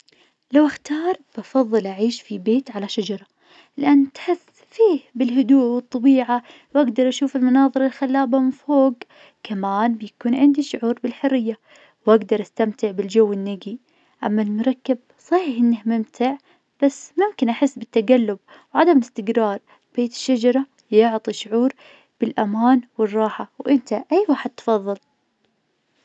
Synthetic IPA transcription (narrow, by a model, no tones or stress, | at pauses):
lawʔaxt̪ɑːɾˤb̥ʔɑfɑðˤːɨlʔaʕiːʃfibeːt̪ʕalaʃad͡ʒɑɾˤɑ | lɪʔanːt̪ħɪs | fiːhbɪlɦʊd̪uːʔwɨt̪ˤːɑbiːʕa | wʔaɡd̪ɑɾˤʔaʃuːfɪlmʊnɑːðˤɨɾˤɑlxalːaːbamɪnfoːɡ | kamaːnbɪjakuːnʕɪnd̪iʃʊʕuːɾˤbɪlħʊrːɪjːa | wʔaɡd̪ɑɾˤʔast̪amt̪ɪʕbɪld͡ʒawːɪnːaɡi | ʔamːalmʊɾˤɑkːɪb̚sˤɑhiːħʔɪnːɪhmɪmt̪ʰɪʕ | b̥asːmʊmkɪnʔaħɪsːbɪt̪ːaɡalːʊb | wʕad̪amɪlɪst̪ɪɡɾɑːɾˤ | b̥eːt̪ɪ̥ʃːad͡ʒɑɾˤɑ | jʊʕt̪ˤiʃʊʕuːɾ | b̥ɪlʔamaːnwɪrˤːɑːħawʔɪnt̪aʔajːwaːħɪd̪̚t̪fɑðˤːɑl